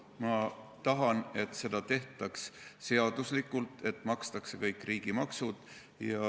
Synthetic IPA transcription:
mɑt̪ɑɦɑne̞t̪ːse̞d̪̥ɑt̪e̞ht̪ˑɑksse̞ɑd̪̥uslikːult̪ˑe̞t̪ːˑmɑkst̪ɑkse̞kɤjkːˑriːɡ̥imɑksud̪̥ | jɑ

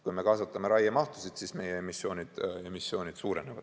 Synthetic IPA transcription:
kujme̞kɑsɑt̪ːˑɑmeɾɑjɑmɑht̪u̥sid̪̥sisme̞jeemisjo̞ːnʲid̪̥e̞misːjo̞ːnid̪̥suːɾe̞nevɑ̰d̪̥

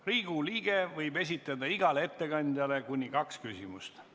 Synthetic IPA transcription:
riːɡ̥uliːɡ̥e̞vɤjbe̞s̬ʲit̪ːˑɑd̪ɑiɡ̥ɑlee̞t̪ːe̞kɑnʲd̪̥ʲjɑle̞kunʲːikɑkskysimust̪

